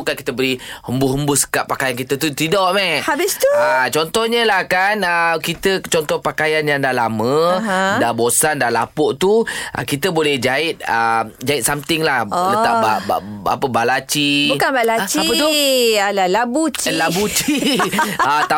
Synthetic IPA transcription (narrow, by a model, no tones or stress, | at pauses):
ukankit̪əbəɾihəmbʊhəmbʊhsə̥kaʔpːakajankit̪ət̪ut̪idɔʔmɛhhabɪst̪uat͡ʃɔnt̪ɔhɲəlahkanəkit̪ət͡ʃɔnt̪ɔhpakajanjaŋdahlamə̃dabosandalapʊʔt̪uʔa̰kit̪əbolɛhd͡ʒaɪt̪̚əd͡ʒaɪt̪̚samt̪ɪŋlahtət̪ababaa̰pəbalat͡ʃibbukanbalat͡ʃia | alalabut͡ʃlabut͡ʃi | at̪a